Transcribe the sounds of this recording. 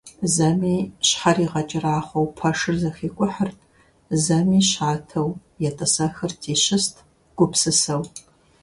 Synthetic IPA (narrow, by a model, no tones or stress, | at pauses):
zɐmiːɕħaɾiːʁɐt͡ʃʼɪraːχʷowpʰɐʂɨrzɐxiːkʷʼʊħərtʰʼ | zɐmiːɕaːtʰɐw | jɛtʼɐsɐxɐrtʰiːɕɪstʰ | ɡ̥ʷʊpsɨsɐw